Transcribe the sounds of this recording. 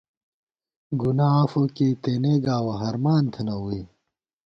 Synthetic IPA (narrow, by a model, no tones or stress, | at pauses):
ɡunaːɐfokeːt̪eːneːɡaːwɐɦɐɾmaːnt̪ʰɐnɐui